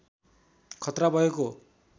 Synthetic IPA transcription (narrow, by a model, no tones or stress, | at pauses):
kʰʌt̪ɾabʱʌeko